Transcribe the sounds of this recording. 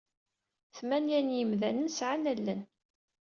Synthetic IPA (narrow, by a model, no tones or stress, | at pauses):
θmænjænjəmðænənsʕanælːən